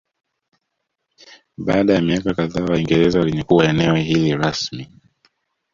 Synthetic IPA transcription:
ɓaːɗajamiakakaðaːwaiŋɡɛɾɛzawaliɲɛkuwaɛnɛwɛɦiliɾasmi

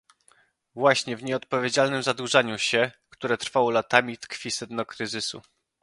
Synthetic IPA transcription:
vwaɕɲɛvɲɛɔt̪̚pɔvʲjed͡ʑalnɘmzad̪wuʐaɲuɕɛkt̪uɾɛt̪ɾfawɔlat̪amʲit̪kfʲisɛd̪nɔkɾɘzɘsṵ

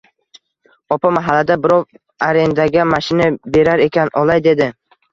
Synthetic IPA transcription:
ɒpamaɦalːad̪abɪɾɒw | aɾe̞nd̪aɡʲamaʃɪnabe̞ɾaɾe̞kʲʰanʔɒlˠajd̪e̞d̪ɪ

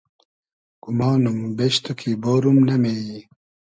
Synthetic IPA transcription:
kumaːnumbeɕt̪ukʰiboːɾumnɐmei

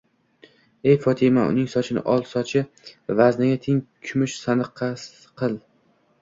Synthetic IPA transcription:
e̞jfɒt̪ʰɪmaʊ̰nɪŋsɒt͡ʃʰɪnɪ̰ʔɒlˠsɒt͡ʃʰɪ | vaznaɡʲat̪ʰɪŋkʲʰʊmɪʃsanɨqʰːɑs | qʰɨlˠ

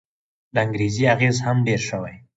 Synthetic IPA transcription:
laŋɡɾeziaɣezhamɖeɾʃəwaj

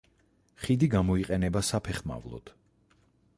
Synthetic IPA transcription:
χid̪iɡamɔiqʼɛnɛbasapʰɛχma̰vlˠɔ̰t̪ʰ

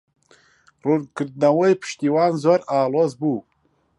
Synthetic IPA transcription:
ruːnkɨɾd̪̚nɐwɐjpʰɨ̥ʃt̪iːwɑːnzoːɾɑːloːzbuː

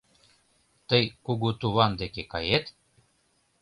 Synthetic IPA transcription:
t̪əjkuɣut̪uβɑnd̪ekekɑjet̪

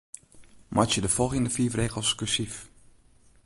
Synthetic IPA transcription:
mʔasjədəfɔlˠɣjəndəfiːfreːɣəl̩ˠskysif

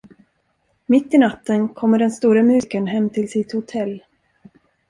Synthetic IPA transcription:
mɪt̪ːɪnat̪ːənkʰɔmːəɖɛnst̪uːɾamʉ̟kənɦɛmːt̪ʰɪlsɪt̪hʊt̪ʰɛlː

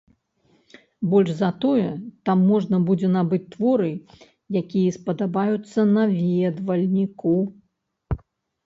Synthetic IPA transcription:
bɔlʲʐzɐt̪ɔjɛt̪amːɔʐnɐbud͡zʲɛnabɨt͡sʲt̪vɔɾɨ | jakʲijɛspɐd̪abajut̪sːɐnɐvʲɛd̪vɐlʲnʲiku

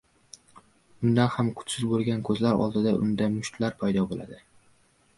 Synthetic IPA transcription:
ʊnd̪anhamkʰʊ̥t͡ʃ̪sɪzbolˠɡʲankʰɵzlaɾɒ̰lˠd̪ɪd̪aʔʊ̰nd̪amʊʃt̪ʰlaɾpʰajd̪ɒbola̰d̪ɪ

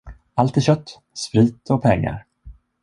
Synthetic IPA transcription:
alt̪ɪɕœt̪ː | spɾiːt̪ʰɔk̚pʰɛŋːa̰ɾ

